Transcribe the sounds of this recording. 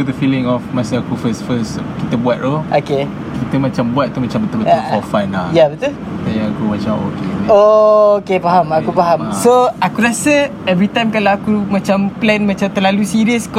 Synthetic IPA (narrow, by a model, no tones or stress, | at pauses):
ud̪əfilɪ̃ŋɔfmasəakufəstfəskit̪əbuat̚ʔoʔoke | kit̪əmat͡ʃambuat̪̚t̪ːumat͡ʃambət̪ulbəʊfɔfãnajabət̪u | sajaakuwad͡ʒawo̰keookepaɦamakupaɦamsoakuɾasəɛvɾit̪ãjmkalawakumãt͡ʃamplɛnmãt͡ʃamt̪əlalusiɾiəsk